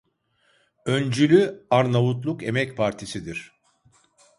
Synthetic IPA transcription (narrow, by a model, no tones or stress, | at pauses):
ønd͡ʒylʲyaɾnavut̪lˠuke̞mɛcpʰaɾt̪ʰisid̪iɾ̝̥